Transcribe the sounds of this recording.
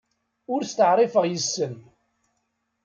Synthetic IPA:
ʊɾst̪əʕɾˤifəʁjəsːən

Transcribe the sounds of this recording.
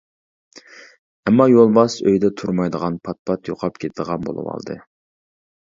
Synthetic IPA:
ɛmːɑjolˠbɑsøjd̪ɛt̪ʰuɾmɑjd̪əʁɑnpʰɑt̪̚pʰɑt̪jo̰qʰɑp̚kʲʰet̪ʰɪd̪əʁɑnbo̰lˠɨ̰wɑ̰lˠd̪ɨ̰

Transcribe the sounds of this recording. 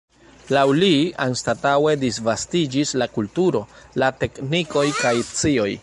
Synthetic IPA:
lawlianstatawe̞disvastid͡ʒislakultuɾo̞late̞kniko̞jkajt͡sio̞j

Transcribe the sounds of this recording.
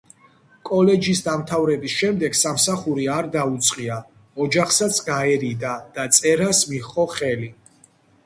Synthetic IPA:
kʼɔlɛd͡ʒisd̪amt̪ʰavɾɛbisʃɛmd̪ɛɡsamsaχuɾiaɾd̪aut̪sʼqʼia | ɔd͡ʒaχsat̪sʰɡaɛɾid̪ad̪̥at̪sʼɛɾasmiχɔχɛli

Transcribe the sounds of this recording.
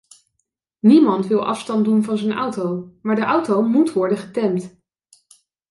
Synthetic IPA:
nimɑntʋɪlˠʔɑ̰fstɑndunvɑnzənʌ̰wtowmaːɹdəʔʌwtowmutʋɔɹdəχətɛmt

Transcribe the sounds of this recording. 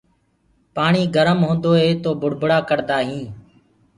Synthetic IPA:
paːɳiːɡəɾəmɦõːnd̪oːɦeːt̪oːbʱʊɽbəɽaːkəɾd̪aːɦĩː

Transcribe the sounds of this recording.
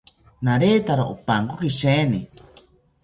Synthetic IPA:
naɾeːt̪aɾaʔopaŋkokiʃeːni

